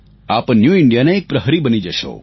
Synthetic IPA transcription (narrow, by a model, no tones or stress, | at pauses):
aːpnjuɪɳɖijaneːk̚pɾəɦɾibənid͡ʒəʃo̰